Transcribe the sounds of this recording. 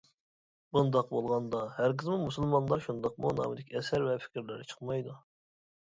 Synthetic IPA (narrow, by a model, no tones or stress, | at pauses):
bund̪ɑqbolˠʁɑnd̪ɑhæɾqʰəzmɨmusɨlˠmɑnlˠɑɾʃund̪ɑqmunɑ̰ːmɪd̪ɪkʲʰɛsæɾvɛfʰi̥kʲʰɾlɪɾɪt͡ʃʰə̥qmɑjd̪u